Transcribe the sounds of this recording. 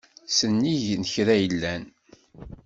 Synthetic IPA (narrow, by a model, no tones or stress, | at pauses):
sənːiʝnəçɾæjəlːæn